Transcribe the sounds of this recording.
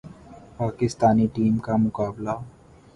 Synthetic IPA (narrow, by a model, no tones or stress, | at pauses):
paːkɪst̪aːniʈiːmkamʊkaːbla